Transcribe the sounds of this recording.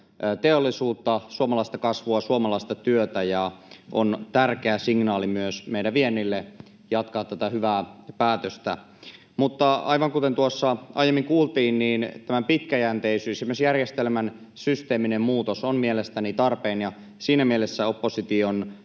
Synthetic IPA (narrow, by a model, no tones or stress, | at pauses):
t̪eolːisuːt̪ːɑsuomɑlɑist̪ɑkɑsʋuɑsuomɑlɑist̪ɑt̪yøt̪æjɑʔont̪ærkeæsiŋnɑːlimyøsmeiɾæʋienːilːe | jɑt̪kɑhːt̪ːæt̪æhyʋæːpæːt̪øst̪æ̰ | mut̪ːɑɑ̰iʋɑŋkut̪ent̪uosːɑʔɑ̰ijemːiŋkuːlt̪iːnniːnt̪æmæmpit̪kæjænt̪eisyːsemːøsjærjest̪elmæn | syst̪eːminemmuːt̪osonmielest̪ænit̪ɑrpeːnjɑ | siːnæmielesːæopːosit̪ion